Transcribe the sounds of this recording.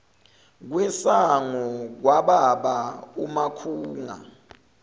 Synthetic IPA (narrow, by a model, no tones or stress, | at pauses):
k̬wɛsaŋɔk̬waɓaɓaumakʰuːŋa̰